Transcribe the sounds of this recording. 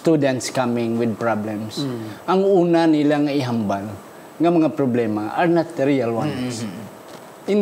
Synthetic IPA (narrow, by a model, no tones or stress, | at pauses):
st̪ud̪ɛ̃nt̪skamɪ̃ŋwɪd̪̚pɹablɛ̃msʔaŋuːnanilaŋaiɦambal | ŋamɐŋapɾoblɛmaʔaɹnat̪̚ːɾialwans | ɪn